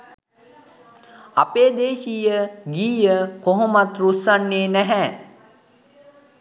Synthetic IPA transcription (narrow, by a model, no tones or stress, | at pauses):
apeːd̪eːʃijəɡiːjəkoɦomat̪ɾusanːeːnæɦæː